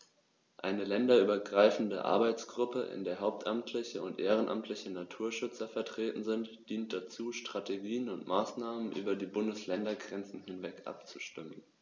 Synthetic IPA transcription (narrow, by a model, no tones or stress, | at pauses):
ʔa̰ɪnəlɛndɐʔyːbɐɡʁaɪfn̩də̰ʔa̰ɐbaɪt͡sɡ̥ʁʊpəʔɪ̰ndeːɐɦaʊp̚tʰʔamtʰlɪçəʊntʔeːʁ̞ənʔa̰mtʰlɪçənatʰuːɐʃʏt͡sɐfɛɐtʁ̥eːtn̩zɪntd̥iːnt̚d̥at͡suːʃtʁ̥ateɡiːənʊntmaːsnaːmənʔyːbɐdiːbʊndəslɛndɐɡʁɛnt͡sn̩hɪnvɛkʔa̰p̚t͡suʃtɪmən